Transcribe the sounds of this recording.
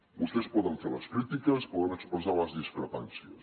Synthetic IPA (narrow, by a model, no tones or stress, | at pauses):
bust̪ɛspɔðəɱfeləskɾit̪ikəspuðəməkspuzaləzðiskɾəpa̰nsiə̰